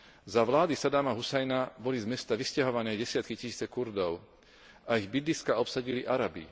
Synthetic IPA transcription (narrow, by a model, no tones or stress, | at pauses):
zaʋlaːd̪isad̪amaɦusɛjnabɔlizmɛst̪aʋiscaɦɔʋanɛːɟɛsɪat̪kicisiːt͡sɛkuɾd̪ɔʊ | aiɣbid̪liskaɔpsaɟiliʔaɾabḭ